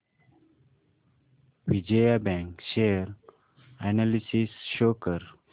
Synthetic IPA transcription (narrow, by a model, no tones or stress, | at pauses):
ʋid͡ʒeabæ̃ŋkʃeɾ | ænalisisʃoːkəɾ